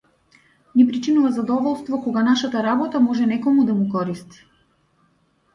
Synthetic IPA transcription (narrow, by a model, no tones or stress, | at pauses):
nɛpɾit͡ʃinuvazad̪ɔvɔlˠst̪vɔkɔɡanaʃat̪aɾabɔt̪amɔʒɛnɛkɔmud̪amukɔɾist̪i̥